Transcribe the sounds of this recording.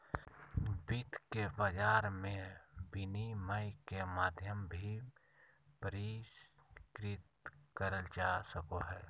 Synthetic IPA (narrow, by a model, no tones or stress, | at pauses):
bɪt̪kebəd͡ʒaːɾmẽbɪniməjkemaːd̪ʱjəmbʱi | pəɾɪskɾɪt̪kəɾəld͡ʒasəkoɦɛː